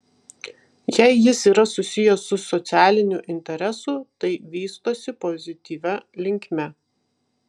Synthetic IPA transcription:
jɛɪjɪsiːɾɐsʊsʲɪjosːʊsɔt̪sʲæːlʲɪnʲʊʔɪnʲt̪ʲɛɾʲɛsʊt̪ɐɪʋʲiːst̪oːsʲɪpɔzʲɪt̪ʲiːʋʲɛlʲɪŋʲkʲmʲɛ

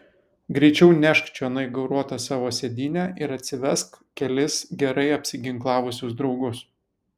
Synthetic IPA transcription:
ɡɾʲɛɪt͡ʃʲɛʊnʲæʃkt͡ʃʲoɐnɐɪɡɐʊɾuɔt̪ɐsɑːʋoːsʲɛd̪ʲɪːnʲæʔɪɾɐt̪ʲsʲɪʋʲɛskkʲɛlʲɪsɡʲɛɾɐɪɐpʲsʲɪɡʲɪŋklˠɑːʋʊsʲʊsd̪ɾɒʊɡʊs

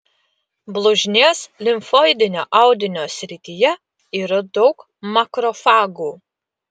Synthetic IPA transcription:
blˠʊʒʲnʲeːslʲɪmfɔːɪd̪ʲɪnʲoːʔɑˑʊd̪ʲɪnʲoːsʲɾʲɪt̪ʲɪjɛ | iːɾɐd̪ɒʊk | mɐkɾɔfɑːɡuː

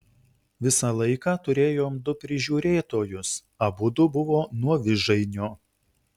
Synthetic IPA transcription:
ʋʲɪsɑlˠɐɪkɑːt̪ʊɾʲeːjoːmd̪ʊpʲɾʲɪʒʲuːɾʲeːt̪oːjʊs | ɐbʊd̪ʊbʊʋoːnuɔʋʲɪʒɐɪnʲoː

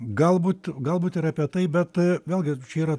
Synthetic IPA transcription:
ɡɐlˠbuːt̪ɡɐlˠbuːt̪ɪɾɐpʲiɛt̪ɐɪbʲɛt̪ʋʲeːlʲˠɡʲɪt͡ʃʲɛiːɾɐ

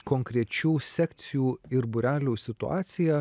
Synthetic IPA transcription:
koːŋkɾʲɛt͡ʃʲuːsʲɛkʲt̪sʲɪjuːɪɾbʊɾʲæːlʲuːsʲɪt̪ʊɑ̰ːt̪sʲɪjɛ

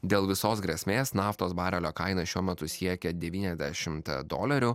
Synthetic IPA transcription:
d̪ʲeːlˠʋʲɪsoːsɡɾʲɛsʲmʲeːsnɑːft̪oːsbɑːɾʲɛlʲoːkɐɪnɐʃʲuɔmʲɛt̪ʊsʲiɛkʲɛd̪ʲɛʋʲiːnʲɛzʲd̪ʲæʃʲɪmt̪d̪o̰ːlʲɛɾʲʊ

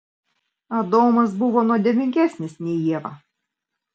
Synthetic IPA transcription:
ɐd̪oːmɐsbʊʋoːnuɔd̪ʲɛʋʲɪŋʲkʲæˑsʲnʲɪsnʲɛjiɛʋɐ̰

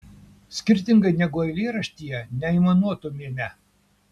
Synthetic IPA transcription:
sʲkʲɪɾʲt̪ʲɪŋɡɐɪnʲɛɡʊɐɪlʲeːɾɐʃʲt̪ʲijɛnʲɛimɐnuɔt̪oːmʲeːmʲɛ

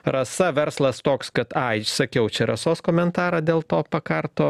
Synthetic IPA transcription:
ɾɐsɐʋʲɛɾslˠɐst̪oːkskɐt̪ɐɪsɐkʲɛʊt͡ʃʲɛɾɐsoːskoːmʲɛnt̪ɑːɾɐːd̪ʲeːlˠt̪oːpɐkɐɾt̪oː

